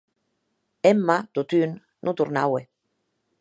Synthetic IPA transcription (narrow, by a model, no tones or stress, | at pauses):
emːat̪ut̪ynː | ʔut̪uɾnawe